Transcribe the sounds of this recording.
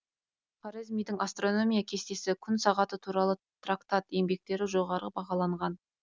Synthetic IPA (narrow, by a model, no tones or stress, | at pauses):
pʰaɾezmijd̪ɪŋast̪ro̞no̞mʲijakʲʰe̞st̪e̞sɪkʲʰʏnsɑʁɑt̪ət̪ʰuɾɑlˠə | t̪rakt̪at̪e̞mbe̞k̚t̪e̞ɾɪʒo̞ʁɑɾəbɑʁɑlˠɑɴʁɑn